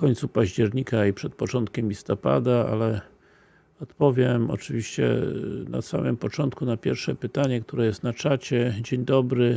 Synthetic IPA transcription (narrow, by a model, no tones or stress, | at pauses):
kɔɲʲt̪supaʑd͡ʑɛɾɲikaipʂɛt̪̚pɔt͡ʂɔnt̪̚kʲɛmlʲist̪ɔpa̰d̪aa̰lɛ | ɔt̪pɔvʲjɛmɔ̰t͡ʂɘvʲiɕt͡ɕɛ̰na̰sa̰mɘ̰mpɔt͡ʂɔnt̪kunapʲjɛɾfʂɛpɘt̪aɲɛk̚t̪uɾɛjɛst̪nat͡ʂat͡ɕɛd͡ʑeɲd̪ɔbɾɘ